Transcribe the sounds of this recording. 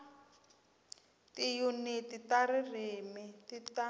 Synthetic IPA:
tijunititaririmitita

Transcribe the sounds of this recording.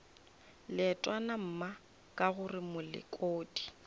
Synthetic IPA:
lɪɛtʼwanam̩ma | kʼaɣʊrɪmʊlɪ̰kʼoːdi̥

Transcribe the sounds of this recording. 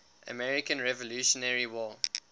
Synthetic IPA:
ʔə̰mɛɹikə̃nɹɛvɔluʃɔnɛɹiwɔː

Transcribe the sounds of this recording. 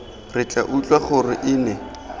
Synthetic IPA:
rɪt͡ɬʼa̰ʔut͡ɬʼwaχʊrɪʔɪːnɛ

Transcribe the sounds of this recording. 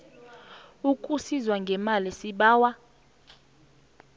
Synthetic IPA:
ukʼusizwaŋɡʱɛmalisiɓaːwa

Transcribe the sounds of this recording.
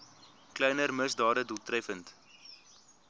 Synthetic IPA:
klɛjnərməsdɑːdədulˠtrɛfənt

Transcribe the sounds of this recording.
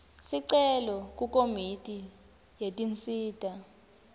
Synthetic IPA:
siǀɛlɔk̬ʼukʼomitʼi | jetʼint͡sʼiːtʼa

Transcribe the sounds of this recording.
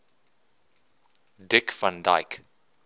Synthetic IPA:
dɪkfãndaɪk

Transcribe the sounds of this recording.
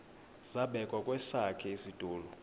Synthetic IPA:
zaɓɛkʼwakʼwɛsakʰɛisid̥ʱʼuːlɔ

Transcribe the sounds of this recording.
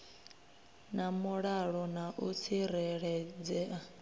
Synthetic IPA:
namuɺaɺɔnaʔut͡sʰiɾɛɺɛd͡zɛa

